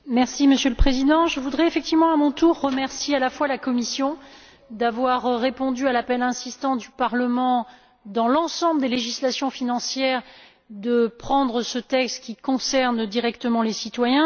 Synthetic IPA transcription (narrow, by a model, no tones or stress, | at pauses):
mɛʁsiməsjøləpχezid̪ɑ̃ʒəvud̪ʁɛefɛk̚t̪ivmɑ̃amɔ̃t̪uʁːəmɛʁsjealafwalakɔmisjɔ̃ | d̪avwaʁːepɔ̃d̪yalapɛlɛ̃sist̪ɑ̃d̪ypaʁləmɑ̃ | d̪ɑ̃lɑ̃sɑ̃bləd̪eleʒislasjɔ̃finɑ̃sjɛʁ | d̪əpχɑ̃d̪ʁəsət̪ɛkst̪kʲikɔ̃sɛʁnd̪iʁɛkt̪əmɑ̃lesit̪wajɛ̃